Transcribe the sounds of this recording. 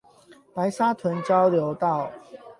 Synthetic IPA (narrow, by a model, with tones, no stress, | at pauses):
pa˨˦ɪsa˦t̪ʰwə˨˦nt͡ɕjɑ˦ʊljo˨˧˦ʊt̪ɑ˥˨ʊ